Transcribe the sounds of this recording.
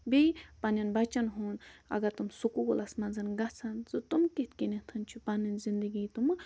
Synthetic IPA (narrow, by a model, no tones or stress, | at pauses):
bipanɐnbɐt͡ʃɐnɦunɐ̰ɡɐɾt̪umsukubolɐsmɐnzɐnɡɐt͡sʰanzut̪umkit̪kinet̪ʰɐnt͡ʃʰupanɐnzind̪əɡiːt̪umɨ